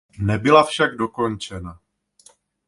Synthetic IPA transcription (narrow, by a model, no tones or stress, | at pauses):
nɛbɪlafʃaɡdo̞ko̞nt͡ʃɛna